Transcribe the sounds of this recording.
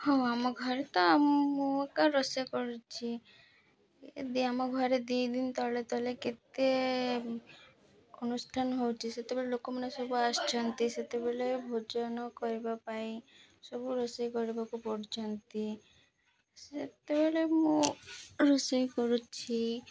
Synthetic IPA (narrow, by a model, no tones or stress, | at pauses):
hɔ̃amɔɡʱɔɾet̪ɔmːũkaɾɔsakɔɾut͡ʃʰi | d̪iamɔɡʱɔɾed̪id̪int̪ɔlet̪ɔleket̪e | onusʈʰanɦowt͡ʃʰiset̪ebeɭelokomanesobuast͡ʃɔnt̪iset̪ebelebʱod͡ʒɔnɔkɔɾibapai | sɔbuɾɔsajkɔɾibakupɔɾd͡ʒɔnt̪i | set̪ebeɭemũ | ɾɔsɔjkɔɾut͡ʃʰi